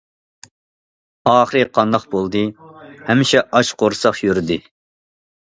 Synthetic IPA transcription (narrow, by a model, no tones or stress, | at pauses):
ɑːχəɾɨqʰɑnd̪ɑχbolˠd̪ɨhɛmːɪʃɛʔɑʃqʰoɾsɑχjyɾd̪ɪ